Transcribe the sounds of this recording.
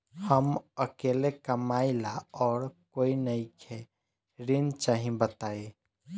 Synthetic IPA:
həməkeːlekəmaːilaɔːɾkoːinəikʰe | ɾint͡ʃaɦĩbət̪aːe

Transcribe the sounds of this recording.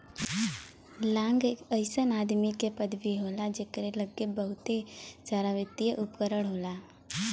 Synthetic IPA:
lãːŋɡeəɪsənaːd̪mikepəd̪biɦoːlad͡ʒeːkəɾeləɡːebəɦʊt̪ed͡ʒaːɾaʋɪt̪ijəʔʊpkəɾəɽ̃ɦoːlaː

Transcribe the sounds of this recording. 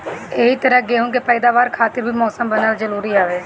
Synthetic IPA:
eɦiːt̪əɾəɡeːɦũːkepɛːd̪aːʋaːɾkʰaːt̪ɪɾbʱiːmɔːsəmbənːaːld͡ʒəɾuːɾiːaːʋeː

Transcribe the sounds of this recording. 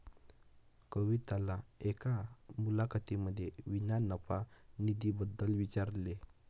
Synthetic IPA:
kəʋit̪alaekamulakʰət̪iməd̪ʱːjeʋinanəpanid̪ibəd̪ːəlʋit͡ɕaɾle

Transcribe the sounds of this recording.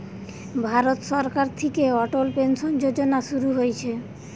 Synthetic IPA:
bʱaɾot̪ʃɔɾkaɾt̪ʰekeɔʈolpenʃond͡ʑod͡ʑonaʃuɾuɦojt͡ɕʰe

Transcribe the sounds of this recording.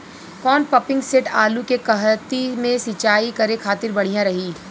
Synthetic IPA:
kɔːnpɐpɪ̃ŋɡseʈaːlukekɐɦt̪imẽsɪt͡ʃaːikɐɾekʰaːt̪ɪɾbɐɽ̤ijãɾɐɦiː

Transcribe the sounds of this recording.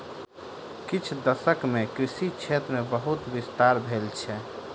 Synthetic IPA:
kit͡ʃʰd̪əsəkmekɾisit͡ʃʰet̪ɾmebəɦut̪bist̪aɾbʱelt͡ʃʰɛ

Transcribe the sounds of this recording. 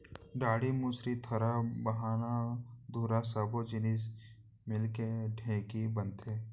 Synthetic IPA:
ɖaːɽimusɾit̪ʰəɾabəɦaːnad̪ʱuːɾasəbod͡ʒɪnis | mɪlkeɖʱẽːkibənt̪ʰeː

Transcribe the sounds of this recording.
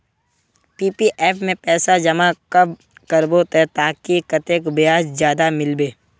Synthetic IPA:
piːpiʔeːpʰmẽpɛːsad͡ʒɐmakɐb | kɐɾbot̪ɛt̪aːkikɐt̪eːkbɪjaːszjaːd̪amɪlbeː

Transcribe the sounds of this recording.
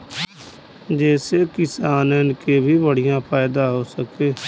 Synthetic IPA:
d͡ʒeːseːkɪsaːnənkeːbʱiːbəɽɪjãːpʰaːɪd̪ãːɦoːsəkeː

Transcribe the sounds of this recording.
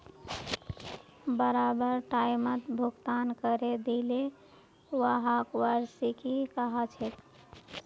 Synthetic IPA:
bəɾabəɾʈajmət̪bʱukt̪ankəɾed̪ele | waɦakʋaɾsikikəɦət͡ʃʰet̪

